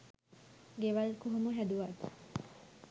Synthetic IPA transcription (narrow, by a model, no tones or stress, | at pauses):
ɡeʋalkuɦumuɦæd̪uʋat̪